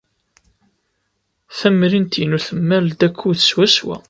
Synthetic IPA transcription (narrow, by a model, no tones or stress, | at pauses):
θæmɾint̪jnuθəmːæld̪ækʷʰːuθə̥swæswæ̰